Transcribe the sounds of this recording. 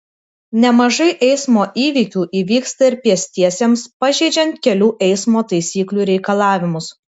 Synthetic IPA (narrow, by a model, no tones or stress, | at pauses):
nʲɛmɐʒɐɪʔɛɪsmoːʔiːʋʲiːˑkʲuːʔiːʋʲiːkst̪ɐɪɾpʲiɛsʲt̪ʲiɛsʲemspɐʒʲɛɪd͡ʒʲɛnt̪̚kʲɛlʲuːʔɛɪsmoːt̪ɐɪsʲiːklʲuːɾʲɛɪkɐlˠɑːʋʲɪmʊs